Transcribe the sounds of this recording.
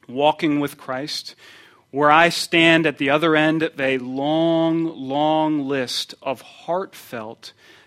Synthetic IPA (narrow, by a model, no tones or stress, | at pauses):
wɔkɪ̃ŋwɨð̥kʰɹ̥aɪst̚ | wə˞aɪstæ̃ndɨt̪̚ðiʌðə˞ɛ̃ndɨlɔ̃ŋlɔ̃ŋlɪstʌv̥hɑɹtfɛlˠt